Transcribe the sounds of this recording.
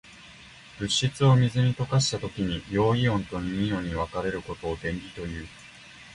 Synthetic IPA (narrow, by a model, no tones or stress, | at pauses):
b̥ɯ̟ɕːit͡sɨo̞mʲizɨɲ̟it̪o̞kaɕi̥t̪at̪o̞kʲiɲ̟ijo̞ːiõ̞nt̪o̞ɲ̟iɲʲio̞ɲ̟iβ̞akaɾe̞ɾɯ̟kot̪o̞ːd̪ẽ̞mɾʲit̪o̞jɯ̟ː